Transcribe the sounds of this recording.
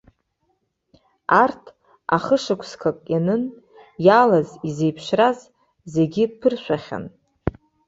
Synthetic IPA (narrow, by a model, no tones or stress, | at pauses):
artʰ | aχəʂɨkʷʰskʰakʼjanɨn | jalazize̞jpʰʃraz | zeɡʲɪpʰɨrʃʷᶣaχʲa̰n